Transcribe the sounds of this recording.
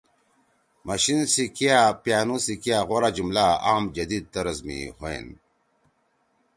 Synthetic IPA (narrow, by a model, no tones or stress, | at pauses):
mɐɕinsikijapjaːnusikijaɣoɾad͡ʑumlaaːmd͡ʑɐd̪id̪̚t̪ɐɾɐzmḭhoḛn